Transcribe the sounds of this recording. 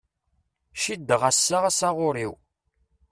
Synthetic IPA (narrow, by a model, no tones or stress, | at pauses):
ʃid̪ːəʁæsːaʁasaʁʊɾiw